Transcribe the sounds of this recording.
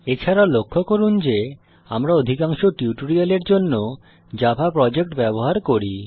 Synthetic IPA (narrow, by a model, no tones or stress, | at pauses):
et͡ɕʰaɾalokʰːokoɾund͡ʑe | amɾaod̪ʱikaŋʃoʈiuʈoɾialeɾd͡ʑonːo | d͡ʑabʱapɾɔd͡ʑek̚ʈbɛboɦaɾkoɾi